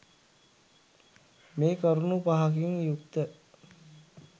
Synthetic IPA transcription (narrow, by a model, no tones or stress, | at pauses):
meːkəɾunupaɦak̬iŋjuk̚t̪ə